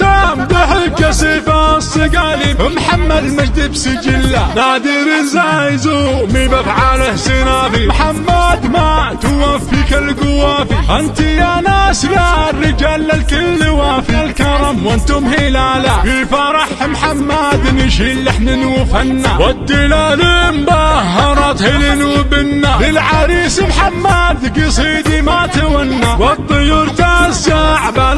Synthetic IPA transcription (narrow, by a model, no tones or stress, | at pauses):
t̪amd̪ɪħɪlkasibasˤːɨɡaːlifɪmħamːad̪mad͡ʒd̪ibsɪd͡ʒɪlːanad̪iɾɪnzaːjzumibafʕaːlahsinafimħamːad̪mat̪ʊwafikalɡʊwaːfiʔant̪ijanaːslarːɪd͡ʒaːlːalkɪlːiwaːfilkɑɾˤɑmwɪnt̪ʊmhɪlaːlakifaɾˤɑħmħamːaːd̪nɪʃiːlːɪħninufanːawad̪ːilaliːmbaɦɑɾˤɑt̪hɪlinuːbɪnːalɪlʕaɾiːsmħamːaːd̪ɡisˤiːd̪imat̪awanːawɑt̪ˤːɨjuːɾt̪azːaʕba